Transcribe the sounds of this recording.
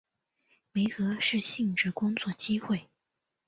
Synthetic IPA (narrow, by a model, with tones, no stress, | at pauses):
me˧˥ɪxɤ˧˥ʂɻ̩˥˧ɕi˥˩ŋʈ͡ʂɻ̩˧˥kʊ˥ŋt͡swɔ˥˩t͡ɕi˥xwe˥˩ɪ